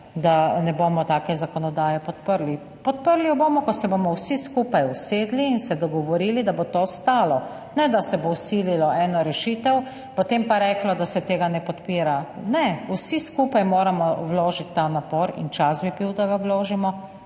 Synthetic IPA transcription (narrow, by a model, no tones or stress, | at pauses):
d̪anɛboːmɔt̪aːkɛzakɔnɔd̪aːjɛpɔt̪pəɾli | pɔt̪̚pəɾlijɔbomɔkɔsɛbomɔwsiskuːpajuseːd̪liːnsɛd̪ɔɡɔʋɔɾiːlid̪abot̪ost̪aːlɔ | nɛd̪asɛbowsililɔʔɛːnɔɾɛʃiːt̪ɛw | pɔt̪empaɾɛːklɔd̪asɛt̪eːɡanɛpɔt̪piːɾanɛusiskupajmoːɾamɔwloːʒit̪ːanapoɾḭnt͡ʃazbibiwd̪aɡawloːʒimɔ